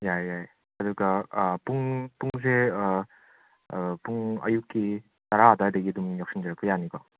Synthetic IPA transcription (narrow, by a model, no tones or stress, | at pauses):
jajaj | ɐduɡɐpuŋpuŋs̬e | puŋɐ̰jukːi | taɾadajdɐɡidumjawksind͡ʒaɾak̚pʰɯjanikɔ